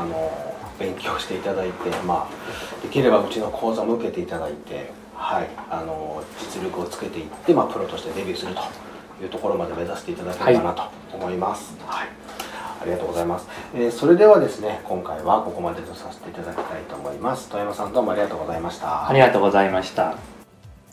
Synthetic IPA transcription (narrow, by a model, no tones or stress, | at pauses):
ano̞b̥ẽ̞ŋkʲo̞ːɕi̥t̪e̞it̪ad̪ait̪e̞maːd̪̥e̞kʲiɾe̞baɯ̟t͡ɕino̞kʰo̞ːzamo̞ɯ̟ke̞t̪e̞it̪ad̪ait̪e̞̰ | haiano̞d͡ʑit͡sɨɾʲokɯ̟o̞t͡sɨ̥ket̪e̞it̪ːe̞maːpɯ̟ɾo̞t̪o̞ɕi̥t̪e̞d̪e̞bʲɨːsɨɾɯ̟t̪o̥ | jɯ̟ːt̪o̞ko̞ɾo̞mad̪e̞me̞zase̥t̪eit̪ad̪akʲe̞eanat̪o̥ːmo̞imasɨ̥ha | a̰ɾʲiɡat̪oːɡozaimasɨ̥eːso̞ɾe̞d̪e̞βad̪e̞sɨne̞kʰõ̞ŋkaiβako̞ko̞mad̪e̞zosase̥t̪e̞it̪ad̪akʲi̥t̪ait̪o̞ːmo̞imasɨ̥t̪ojamasãnd̪oːmo̞aɾʲiɡat̪o̞ːɡozaimaɕi̥t̪aaɾʲiɡat̪oːɡo̞zaimaɕi̥t̪a